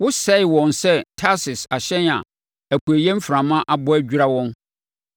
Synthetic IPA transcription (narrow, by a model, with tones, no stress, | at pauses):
wʊ˦sɛ˦ɪ˨wɔ̃˨nsɛ˦tʰa˦sɪ˨sa˨ɕɛ̃˦na̰˨ | æ˨kʰu˨æ˨jɛ̃˦m̩˦fɾã˨mã˦ʔa˦bʊ˦æ˦d͡ʑᶣu˦ɾa˦wɔ̃˦n